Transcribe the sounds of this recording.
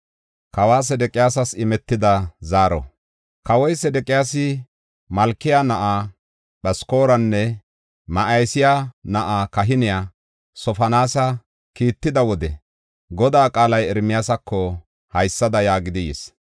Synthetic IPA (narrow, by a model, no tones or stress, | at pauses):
kɐwaːs̬ɛd̪ɛkʼːɪjaːs̬ɐsɪmɛt̪ːɪd̪ɐzaːɾɔ̰ | kɐwɔjsɛd̪ɛkʼːɪjaːsɪ | mɐlkːɪjanɐʔa | ɓɐsko̞ːɾɐnːɛ | mɐʔɐjsɪjanɐʔaːkɐɦɪnɪja | sɔfɐnaːsɐ | kiːt̪ːɪd̪ɐwɔd̪ɛ | ɡɔd̪aːkʼaːlɐjɛɾmɪjaːsɐkːɔ | hɐjsːɐd̪ɐjaːɡɪd̪ɪjɛ̰s